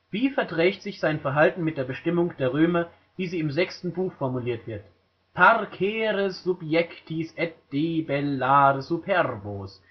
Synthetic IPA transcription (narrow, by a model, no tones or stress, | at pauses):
v̥iːfɛɐdʁ̥ɛːçtz̥ɪçz̥aɪnfɛɐɦaltn̩mɪt̚d̥eːɐbəʃtɪmʊŋd̥eːɐʁøːmɐ | viːziːɪmzɛkstn̩buːxfɔɐmuliːɐtv̥ɪɐt | pʰaʁkʰɛːʁəzupjɛktʰisʔɛt̚d̥eːbɛlːaːʁəzupʰɛʁboːs